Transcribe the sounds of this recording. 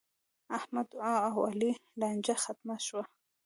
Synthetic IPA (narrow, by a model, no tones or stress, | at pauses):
ahmad̪ʕɑ̃awalilɑnd͡ʒaxat̪̚maʃwa